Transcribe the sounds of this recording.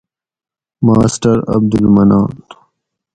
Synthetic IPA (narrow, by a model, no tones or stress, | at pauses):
maːsʈɐɾɐ̰b̚d̪ulmɐnaːn